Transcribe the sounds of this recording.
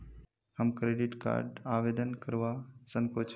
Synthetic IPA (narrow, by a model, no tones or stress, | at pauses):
həmkɾeːɖɪʈka̰ːɾɖaːʋeːd̪ənkəɾʋasəŋkoːt͡ʃʰ